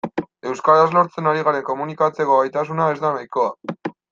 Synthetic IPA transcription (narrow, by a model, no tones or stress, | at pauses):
e̞wskaɾazlo̞ɾt͡se̞naɾiɣ̞aɾe̞ŋko̞munikat͡se̞koβajt̪asunae̞zd̪anajko̞a